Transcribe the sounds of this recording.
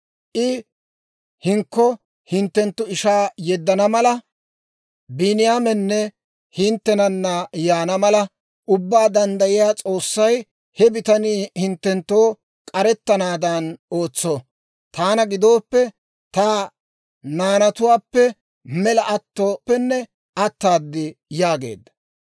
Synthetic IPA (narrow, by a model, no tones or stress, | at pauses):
ʔɪ | hɪŋkːɔ | hɪnt̪ːɛnt̪ːʊɪʃaːjɛd̪ːɐnɐmɐlɐ | bɪnɪjaːmɛnːɛ | hɪnt̪ːɛnɐnːɐjaːnɐmɐlɐ | ʔʊbːaːd̪ɐnd̪ɐjɪjaːt͡sʼo̞ːsːɐj | hɛbɪt̪ɐnihɪnt̪ːɛnt̪ːoː | kʼɐɾɛt̪ːɐnaːd̪ɐno̞ːt͡sːo | t̪aːnɐɡɪd̪o̞ːpːɛ | t̪aː | naːnɐt̪ʊwaːpːɛ | mɛlɐʔɐt̪ːoːpːɛnːɛ | ɐt̪ːaːd̪ːɪjaːɡe̞̰ːd̪ːɐ̥